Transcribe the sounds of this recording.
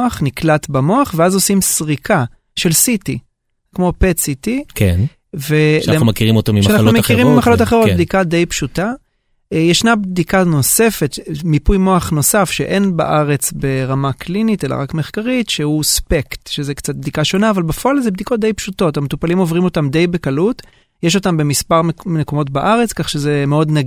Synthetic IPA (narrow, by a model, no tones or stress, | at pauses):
aχniklatbamo̞aχveazo̞simsʁikʰa | ʃe̞lsiti | kmo̞pesitikʰḛn | veeumakiʁimot̪amiʃanaχumekiʁimimaχalotaχeʁobd̪ikad̪e̞jpʃuta | jeʃnabd̪ikano̞se̞fe̞tmipujmo̞aχno̞safʃeʔe̞nba̰ʔaʁe̞t͡sbe̞ʁamaklinite̞la̰ʁakmeχkaʁitʃehuspektʃezekt͡sat̚bd̪ikaʃo̞naːvalbefoalzebd̪ikot̚d̪ejpʃuto̞thametupalimo̞vʁimo̞tamde̞jbe̞kalut | jeʃ̬o̞tambe̞mispaʁmmmekomo̞tbaʔaʁet͡skaχʃezemeo̞dnaɡ